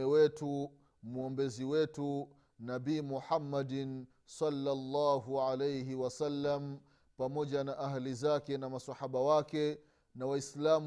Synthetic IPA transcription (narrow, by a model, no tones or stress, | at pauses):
ɛwɛtu | muɔmbɛziwɛtu | nabiːmuħamːadin | sɑlːalːaːɦuʕalejɦiwasalːam̩ | pamɔʄanaʔaɦlizakɛnamasahaɓawakɛ | nawaislam